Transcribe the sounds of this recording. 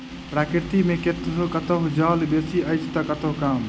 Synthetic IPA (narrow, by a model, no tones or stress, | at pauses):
pɾaːkɾt̪imẽket̪ɾukət̪əɦd͡ʒalbesiəɪt͡ʃʰt̪əkət̪əɦkam